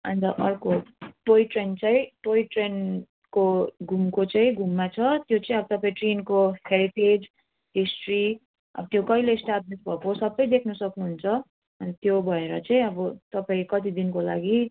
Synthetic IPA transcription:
ʌ̰nt̪ʌʔʌrkoʈoiʈrent͡saĩʈoiʈren | koɡʱumkot͡saĩɡʱumːat͡sʰʌt̪jot͡sʌĩʌbʌt̪ʌpãĩʈrenkoheɾited͡z | ɦisʈri | ʌ̰bʌt̪jokʌilesʈablisbʱʌkosʌbːʌjd̪ekʰnusʌknuɦunt͡sʰʌ | ʌnt̪jobʱʌeɾʌt͡saĩʌbʌt̪ʌpãĩkʌt̪id̪inkola̰ɡi

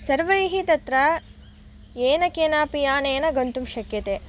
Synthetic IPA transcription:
sɐɾʋɐiɦit̪ɐt̪ɾɐ | eːnɐkeːnaːpijaːneːnɐɡɐnt̪umʃɐkjɐt̪eː

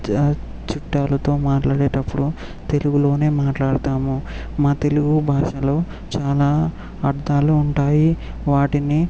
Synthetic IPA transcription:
t͡ʃuʈːaːlɐt̪o̞ːmaːʈlaːɽeːʈɐpːuɽu | t̪e̞luɡulo̞ːne̞ːmaːʈlaːɽɐt̪aːmu | maːt̪e̞luɡubʱaːʂɐlo̞ː | t͡ʃaːlaː | ɐɾd̪aːluːɳʈaːji | ʋaːʈini

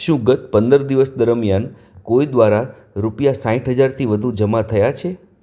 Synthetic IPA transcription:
ʃũɡət̪pənd̪əɾd̪iʋəsd̪əɾmjan | kojd̪ʋaɾa | ɾupjasãĩʈɦəd͡ʒaɾt̪ʰiʋəd̪ʱũd͡ʒəmat̪ʰəjat͡ʃʰe

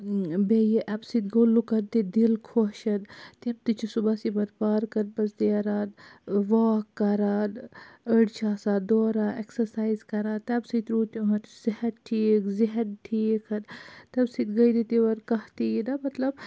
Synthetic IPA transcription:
bejiʔɐbsit̪ɡoːlːukɐɾt̪id̪ilkʰoʃɐd̪t̪imt̪it͡ʃʰisubaːsibɐɾpaːɾkɐnpɐsd̪iɐɾaːd̪ʋaːkːɐɾaːd̪əɽt͡ʃʰaːsaːd̪oːɾaːʔeksɐɾsaːizkɐɾaːt̪ɛbsit̪ɾuːt̪jũɦɐt̪z̥ihɐdʈʰiːkziɦɐd̪̚ʈʰiːkʰɐnt̪ɐbsit̪ɡɐjd̪it̪iʋɐɾkɐht̪ijid̪ɐmɐt̪lɐb

